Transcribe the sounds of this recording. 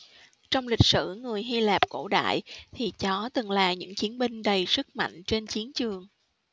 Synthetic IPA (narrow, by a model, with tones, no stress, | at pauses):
t͡ɕɔ˧wŋ͡mlï˨˩k̟̚sɨ̰˧˩ŋɨ˨˩əjɦi˧laː˨˩p̚ko̰˧˩ɗa̰ː˧˨jt̪ʰi˨˩t͡ɕɔ˨˦t̪ɨ˨˩ŋlaː˨˩ɲɨ̰˧˥ŋt͡ɕi˨˦ənmï˧ŋ̟ɗə˨˩jsɨ˦˥k̚ma̰˧˨jŋ̟t͡ɕe˧nt͡ɕi˨˦ənt͡ɕɨ˨˩əŋ